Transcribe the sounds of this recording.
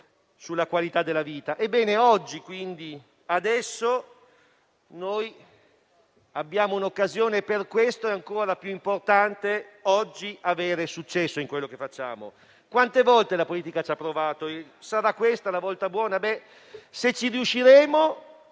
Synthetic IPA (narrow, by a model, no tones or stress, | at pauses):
sulːakwalit̪ad̪elːaviːt̪aʔebːɛːneɔd͡ʒːikwind̪i | ad̪ɛsːo | noj | abːjaːmounokːazjoːneperkwest̪oɛaŋkoːɾapjuimport̪ant̪eɔd͡ʒːiaveːɾesut͡ʃːɛsːoiŋkwelːokefːat͡ʃːa̰ːmo̰ | kwant̪evɔlt̪elapoliːt̪ikat͡ʃapːɾovaːt̪oesaɾakːwest̪alavɔlt̪abwɔːnabɛ | set͡ʃːiɾiuʃːiɾeːmo